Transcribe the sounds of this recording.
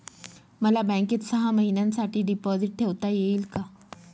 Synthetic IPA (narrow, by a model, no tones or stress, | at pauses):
məlabɛ̃ŋket̪səɦaməɦinjãnsaʈʰiːɖipɔziʈ̚ʈʰeʋt̪ajeiːlka